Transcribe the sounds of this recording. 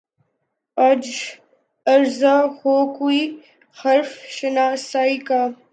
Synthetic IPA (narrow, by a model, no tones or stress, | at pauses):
ɐd͡ʒ | ɐɾzahokui | xɐɾfʃənaːsaːika